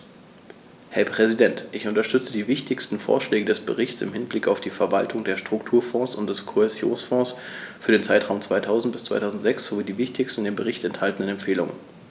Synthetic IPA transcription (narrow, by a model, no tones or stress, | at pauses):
hɛɐpʁ̥ɛzidɛntʔɪçʔʊntɐʃtʏt͡sədiːvɪçtɪçstn̩fo̰ːɐʃlɛːɡədɛsb̥ə̰ʁɪçt͡sɪ̰mhɪnblɪkaʊfd̥iːfɛɐvaltʰʊŋdeːɐʃtʁ̥ʊktʰuːɐfɔ̃ːsʊnt̚d̥ɛskʰoɛzjo̰ːnsfɔ̃ːs | fyːɐdeːnt͡saɪtʁ̥aʊmt͡sv̥aɪtʰaʊzn̩t̚b̥ɪst͡sv̥aɪtʰaʊzn̩tz̥ɛksz̥oviːdiːvɪçtɪçstn̩deːnbəʁɪçtɛnthaltn̩ənɛmfeːlʊŋə̰n